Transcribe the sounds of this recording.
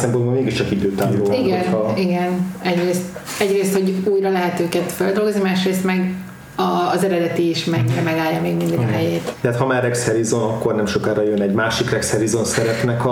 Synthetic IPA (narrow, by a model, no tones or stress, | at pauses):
sɛmponbomeːɡiʃt͡ʃɒkid̪øːt̪aːmoloːiɡɛniɡɛnɛɟreːst̪ | ɛɟreːst̪ho̞ɟuːjrɒlɛɦɛt̪øːkɛt̪føld̪o̞lɡoznimaːʃreːst̪mɛɡ | ɒːzɛɾɛd̪ɛt̪iːʃmɛɲːiɾɛmɛɡaːljɒmeːɡmind̪iɡɦɛjeːt̪t̪ɛɦat̪hɒmaːrɛkshɛɾizonɒkːo̞rnɛmʃo̞kaːɾɒjønɛɟmaːʃikrɛkshɛɾizonsɛɾɛt̪nɛkɒ